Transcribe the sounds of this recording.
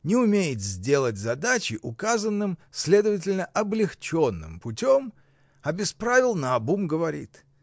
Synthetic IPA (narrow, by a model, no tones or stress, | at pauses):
nʲɪʊmʲejɪt̪zʲdʲe̞lˠət̚ʲzɐd̪at͡ɕɪʔʊkazənːɨmsʲlʲe̞d̪əvət̬ʲɪlʲnəʔɐblʲɪxt͡ɕonːɨ̰mpʊtʲom | ɐbʲɪspɾavʲɪlˠnɐɐbumɡəvɐɾʲḭt̪